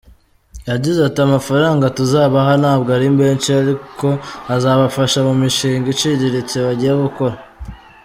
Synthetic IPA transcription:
jaɟizatiamafaɾaːŋɡatuzaːβaɦanaːbɡaɾimbe̞ːnt͡ʃiaɾiko̞azaːβafaʃamumiʃiːŋɡit͡ʃiɟiɾit͡seβaɟiɾaɡuko̞ɾa

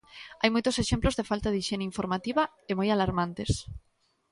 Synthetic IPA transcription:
a̰jmojt̪oseʃẽmplozðefalt̪aðiʃeneiɱfoɾmat̪iβa | emojalaɾmãnt̪es

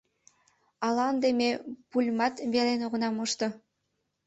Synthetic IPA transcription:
ɑlɑnd̪emepulʲmɑt̪βelenoɣə̆nɑmoʃt̪ɤ̆

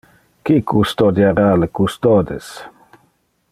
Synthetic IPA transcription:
kikust̪od̪jaɾaləkust̪od̪ḛs

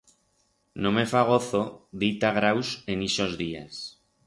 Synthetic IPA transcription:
nõme̞faɣ̞o̞θoðit̪aɣɾawseniʃozðia̰s

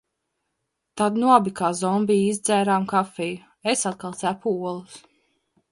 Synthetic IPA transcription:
t̪ad̪nuɔbikaːzɔmbiːjizd̪zæːɾaːmkafɛju | esat̪̚kalˠt̪sæpuɔlˠus

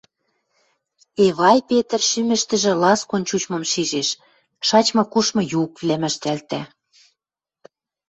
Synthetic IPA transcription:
eβɑjpet̪ə̆rʃymɘ̆ʃt̪ɘ̆ʒĕlɑskont͡ɕut͡ɕmɤ̆mʃiʒeʃ | ʃɑt͡ɕmɤ̆kuʃmɤ̆jukβlæmɘ̆ʃt̪ælt̪æ

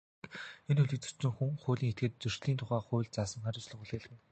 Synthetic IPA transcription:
enɵɮɘ̆k̚t͡sɵ̥t͡ɕɪ̆ŋxuŋχʊːɮʲiːŋxet̪ɡeːt̪̚t͡sɵr̥ʃɮiːnt̪ʰʊχæːχʊːɮt͡saːsə̆ŋχæɾʲɪ̆wt͡ɕɮə̆χuɮeːɮ̆ɘ̆n

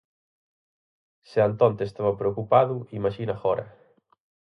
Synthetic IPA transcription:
seant̪ɔnt̪est̪aβɐpɾeokupaðʊimaʃinaxɔɾɐ̰

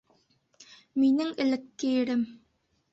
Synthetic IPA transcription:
minɘŋɘ̆lɘ̆kːɘɘ̆ɾɘm

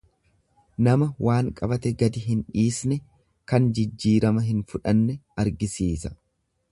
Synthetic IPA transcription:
nɐmɐwaːŋkʼɐbɐt̪ɛɡɐd̪ɪɦɪnᶑiːsnɛ | kɐnd͡ʒɪd͡ʒːiːɾɐmɐɦɪnfʊᶑɐnːɛɐɾɡɪsiːsɐ̥

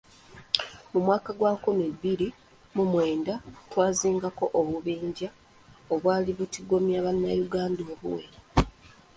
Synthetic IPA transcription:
mumwaːkaɡwaːkumebːiɾi | mumwe̞ːndatwaːziːŋɡako̞ʔoβuβiːɲɟa | oβwaːliβutiɡo̞mjaːβanːajuɡaːndo̞ːβṵwe

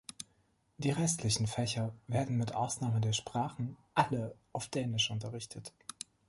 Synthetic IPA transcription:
d̥iːʁɛstʰlɪçn̩fɛçɐveːɐdn̩mɪtʔa̰ʊsnaːmədeːɐʃpʁ̥aːχn̩ʔaləʔaʊfd̥ɛːnɪʃʔʊntɐʁɪçtʰət

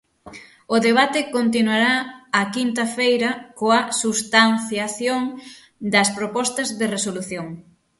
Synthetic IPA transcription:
ʊðeβat̪ɪkont̪inwaɾaːkint̪ɐfejɾɐkoɐsust̪anθjaθjoŋ | d̪ɐspɾopɔst̪ɐzðɪresoluθjoŋ

